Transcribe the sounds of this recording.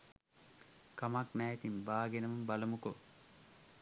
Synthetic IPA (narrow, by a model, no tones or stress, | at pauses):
kamakmæːt̪imbaːɡenɐmumbɐlɐmuko